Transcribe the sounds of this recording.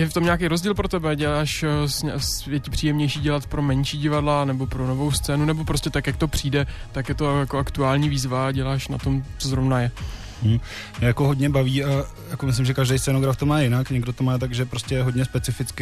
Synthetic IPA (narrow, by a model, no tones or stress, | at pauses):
jɛft̪o̞mɲakejɾo̞zɟiːlpɾo̞t̪ɛbɛɟɛlaːʃsɛsjɛcɪpr̥ijɛmɲɛjʃiːɟɛlat̪pɾo̞mɛnʃiːɟɪvadlanɛbo̞pɾo̞no̞vo̞wst͡sɛːnunɛbo̞pɾo̞scʲɛt̪akjak̚t̪o̞pr̝̥iːdɛt̪akjɛt̪o̞jakoʔakt̪uaːlɲiːviːzvaɟɛlaːʃna̰t̪o̞mt͡sozɾovnajɛ | m̩ | mɲɛjakoɦodɲɛbaviːa | jakomɪslɪmʒɛkaʒdɛjst͡sɛnoɡɾaft̪omaːjɪnakɲɛɡdot̪omaːt̪̬aɡʒɛpɾoscɛɦodɲɛspɛt͡sɪfɪt͡skɪ